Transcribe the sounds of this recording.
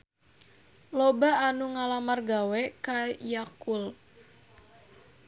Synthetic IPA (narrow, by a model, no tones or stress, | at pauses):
lobaanuŋalamarɡawɛkajakul